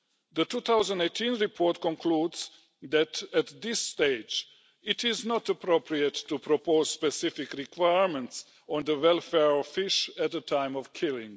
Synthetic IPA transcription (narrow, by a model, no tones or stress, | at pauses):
ðətuːt̪awzə̃ndeɪtʰĩnɹipʰɔɹtkɔ̃nkʰludz̥ | d̪ætætd̪ɪsːteɪd͡ʒ | ɪtʰɪznɔtəpɾopʰɹiətːupʰɾopoz̥spɛsɪfɪkɹikʰwaɪɹmɛ̃nts | ɔ̃nðəwɛlˠfɛɹfɪʃæt̪̚ðətʰãɪ̃mɔvkʰɪlɪ̰̃ŋ